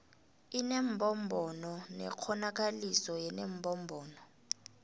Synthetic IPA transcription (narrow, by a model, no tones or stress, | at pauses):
inɛmbʱɔmbʱɔnɔnɛ̰k͡xʰɔnak̬alisɔjɛnembʱɔmbʱɔːnɔ